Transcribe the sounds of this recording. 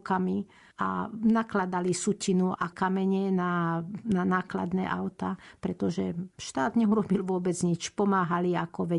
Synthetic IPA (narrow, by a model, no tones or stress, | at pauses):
kami | a̰naklad̪alisucinuʔakamɛɲɛnananaːkla̰d̪nɛ̰ːʔaʊt̪apɾɛt̪ɔʒɛʃt̪aːd̪ɲɛuɾɔbilʋʊɔbɛd͡zɲit͡ʃpɔmaːɦaliakɔʋɛ